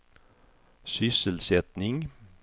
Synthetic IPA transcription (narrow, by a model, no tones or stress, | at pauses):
sʏsəlsɛt̪nɪŋ